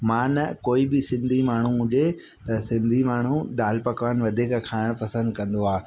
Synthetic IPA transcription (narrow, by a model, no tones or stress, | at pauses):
mãːnɐkoːibɪsɪ̃nd̪ʱimaːɳ̤uɦʊʄe | t̪ɐsɪ̃nd̪ʱimaːɳ̤̃ũd̪aːlpɐkʋaːnʋɐd̪ʱekkʰaːɪɽ̃pɐsə̃nd̪̚kɐ̃nd̪oaː